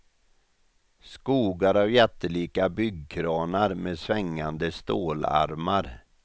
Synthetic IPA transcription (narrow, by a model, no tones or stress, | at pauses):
skuːɡaɾavjɛʈ̪ːəliːkabʏɡkʰɾɑːnaɾmeːsvɛŋːand̪əst̪o̰ːla̰ɾmaɾ